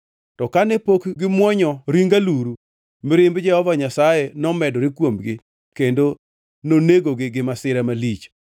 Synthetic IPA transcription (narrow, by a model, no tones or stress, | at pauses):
tɔkanɛpokɡɪmwɔɲɔɾiŋɡaluɾu | mɪɾɪmbd͡ʒɛhɔvaɲasajenɔmɛdɔɾɪkwomɡɪ | kendo | noneɡoɡɪɡɪmasɪɾɛmalit͡ʃ